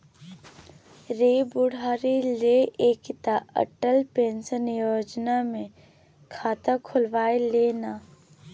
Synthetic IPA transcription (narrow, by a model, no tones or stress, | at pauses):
ɾeːbʊɽ̤aːɾileeːkɪt̪aə̰ʈəlpẽːnsənjoːd͡ʒnamẽ | kʰaːt̪akʰʊlʋaːeleːnaː